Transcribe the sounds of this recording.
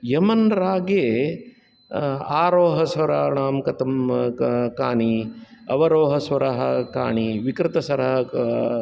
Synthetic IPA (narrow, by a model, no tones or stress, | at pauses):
jɐmɐnɾaːɡeː | aːɾoːɦɐsʋɐɾaːɳaːmkɐt̪ɐm | kaːɳiɐ̰ʋɐɾoːɦɐsʋɐɾɐɦɐka̰ːɳiʋikɾɪt̪ɐsɐɾɐɦɐ